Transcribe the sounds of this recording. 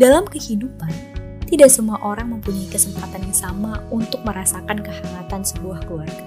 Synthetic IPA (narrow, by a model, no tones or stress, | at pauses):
dalamkəhidupan | t̪idaʔsəmuaʔoɾaŋməmpuɲaikəsəmpat̪anɲasamaunt̪ʊk̚məɾasakankəhamat̪ansəbuahkluarɡa